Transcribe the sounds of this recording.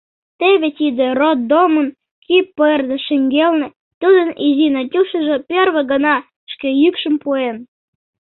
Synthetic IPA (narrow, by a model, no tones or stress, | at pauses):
t̪eβet̪id̪ĕrot̪̚d̪omən | kipːərd̪ĕʃĕŋɡelnĕ | t̪ud̪ənizinɑtʲuʃə̆ʒĕpʲerβĕɡə̆nɑ | ʃkejykʃə̆mpuen